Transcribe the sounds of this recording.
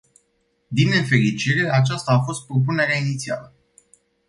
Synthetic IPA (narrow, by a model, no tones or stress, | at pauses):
d̪inefe̞ɾit͡ʃiɾe̞at͡ʃast̪aːfo̞st̪̚pɾo̞p̬une̞ɾeainit̪sia̰lə